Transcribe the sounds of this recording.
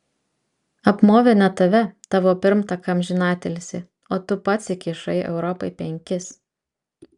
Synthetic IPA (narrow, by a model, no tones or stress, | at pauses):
ɐpmoːʋʲɪnʲɐt̪ɐʋʲɛt̪ɑːʋoːpʲɪɾmt̪ɐkɐmʲʒʲɪnɑːt̪ʲɛlʲsʲɪ | oːt̪ʊpɐt̪ʲsʲɪkʲiːʃɐɪɛ̰ʊɾɔpɐɪpʲɛŋʲkʲɪs